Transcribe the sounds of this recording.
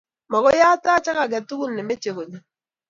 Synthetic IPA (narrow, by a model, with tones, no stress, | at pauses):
mɔ˨kɔ˦ja˦ta˦t͡ʃa˦ka˨ɡɛ˨tu˦ku˦nːɛ˨me˦t͡ʃe˨ko˨ɲi˨